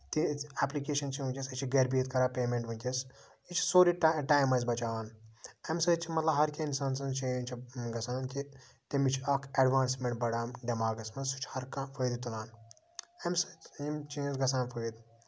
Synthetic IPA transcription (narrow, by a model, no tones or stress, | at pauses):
t̪iaːplikeːʃɐnt͡ʃʰiʋunʲt͡ʃʲesɐt͡ʃʰiɡɐɾbiːt̪kɐɾaːpeːmeɳʈʋunʲt̪ʲes | it͡ʃʰi̥soːɾiʈaʈaːjmɐzbɐt͡ʃaːʋɐnɐmsɐt͡ʃʰimɐt̪lɐɦɐɾkʲainsaːns̬ɐnt͡ʃeinʲt͡ʃʰiɡɐsaːnaːnki | t̪emit͡ʃʰɐkʰɐɖʋaːnsmeɳʈ̚bɐɽaːmɖemaːɡɐsmɐsut͡ʃʰhɐɾkafɐjd̪it̪unaːn | ɐmsɐimt͡ʃinit̪ɡɐsaːnfʰɐɽid̪